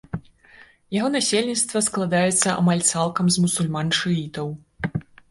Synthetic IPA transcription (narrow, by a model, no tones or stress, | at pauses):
jaɣɔnasʲelʲnʲit̪st̪vɐsklˠad̪ajɛt̪sːɐʔa̰malʲt̪salˠkɐmzmusulʲmanʂɨit̪ɐw